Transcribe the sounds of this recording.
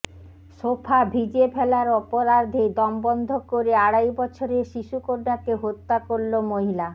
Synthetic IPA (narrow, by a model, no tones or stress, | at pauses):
ʃopʰabʱid͡ʑepʰɛlaɾɔpoɾaɾd̪ʱed̪ɔmbɔnd̪ʱokoɾeaɽajbɔt͡ɕʰoɾeɾʃiʃukoɾnakeɦot̪ːakoɾlomoɦila